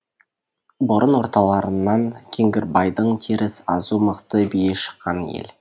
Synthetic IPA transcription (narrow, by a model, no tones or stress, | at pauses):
bʊɾʔənwo̞ɾt̪ɑlˠɑɾənːɑŋkʲʰeŋɡʲɪɾbɑjd̪əɴt̪ʰeɾɪsɑ̰zuməqt̪əbijeʃə̥qːɑnjḛl